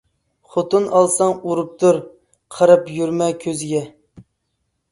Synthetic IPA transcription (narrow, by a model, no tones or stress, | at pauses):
χot̪unɑlˠsɑŋuɾup̚t̪ʰuɾ | qʰəɾɑpjyɾmɛkʲʰøzɪɡʲɛ